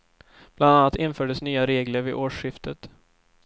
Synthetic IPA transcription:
b̥land̪anːat̪ɪnfœːɖəsnyːaɾeːɡləɾvɪʔoːʂɧɪft̪ʰət̪

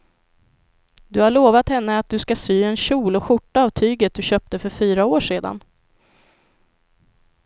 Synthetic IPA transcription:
d̪ɵhaɭoːvat̪hɛnːəat̪̚d̪ɵskasyːɛnɕuːlɔɧʊʈːaːvt̪ʰyːɡət̪̚d̪ɵɕœːp̚t̪əfœɾfyːɾaoːʂeːd̪a̰n

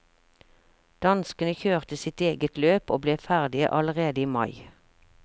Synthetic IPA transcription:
d̪̥ɑnskənəçøːʁt̪əsɪt̪eːɡət̪løːpoːbleːfæʁd̪ɪə̰ʔɑləʁeːd̪əiːmɑɪ

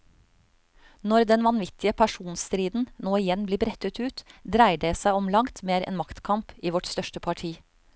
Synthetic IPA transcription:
nɔɾd̪ɛnʋɑnʋɪt̪ʰɪəpʰæʃuːnst̪ɾiːd̪n̩noːɪjɛnbliːbɾɛt̪ət̪ʉːt̪d̪ɾæɪɖeːsæɪɔmlɑŋt̪meːɾɛ̰ːnmɑkt̪kʰɑmpiːʋɔʈst̪œʃʈəpʰɑʈʰiː

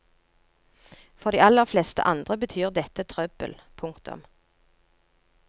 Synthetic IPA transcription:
fɔʁd̪iːɑləʁflɛst̪ə̰ʔɑnd̪ʁəbət̪ʰyːʁd̪ɛt̪ət̪ʰʁœbə̰lpʰʊŋkt̪ʊ̰m

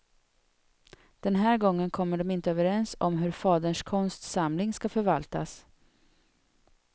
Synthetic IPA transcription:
d̪̥ɛnɦæːɾɡɔŋːənkʰɔmːəɖɔmɪnt̪əøːvəɾɛnsɔmɦɵɾfɑːd̪əɳʂkʰɔnst̪samlɪŋskafœɾvalt̪a̰s

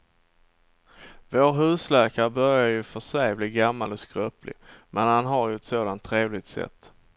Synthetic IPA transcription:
voːɾɦʉ̟ːslɛːkaɾəbœɾjajɵfœʂɛjbliːɡamːalɔskɾœplɪ̰mʔɛnhanɦaɾjɵɛt̪soːd̪ant̪ʰːɾeːvlɪt̪sɛ̰t̪ː

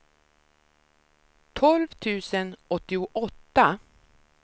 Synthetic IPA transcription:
t̪ʰɔlvt̪ʰʉ̟ːsənɔt̪ːɪʊʔɔt̪ːa

